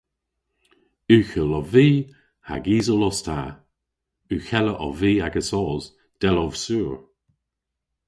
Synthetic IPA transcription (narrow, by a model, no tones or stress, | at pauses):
ʉxəlɔviː | ha̰ɡiːzəlɔstʰa̰ | ʉxɛləʔɔviːaɡəsɔːz | d̪̥ɛlɔvsuːɹ